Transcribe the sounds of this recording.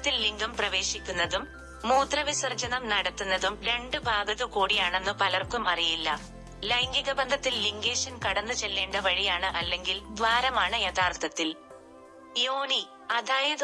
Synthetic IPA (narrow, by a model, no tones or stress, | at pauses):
t̪ːilːiŋɡumprɐʋe̞ːɕikʲːunːɐðumː | uːt̪rɐʋisɐrd͡ʑɐnɐmnɐɽɐt̪ːunːɐðumɾe̞ɳɖɨbʱaːɡɐðukuːɽijaːɳe̞nːɨpɐlɐrkumɐrijilːɐ | lɐjŋɡiɣɐbɐnd̪ʱɐt̪ːilːiŋɡe̞ːʂɐnkɐɽɐnːɨt͡ɕe̞lːeːɳɖɐʋɐɻijaːɳɨʔɐlːe̞ŋɡild̪ʋaːɾɐmaːɳɨjet̪ʰaːrt̪ɐt̪ːil | joːni | ɐd̪ʱaːjɐð